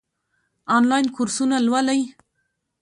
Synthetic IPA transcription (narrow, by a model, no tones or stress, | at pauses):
ɑnlɑjnkuɾsunalwalaj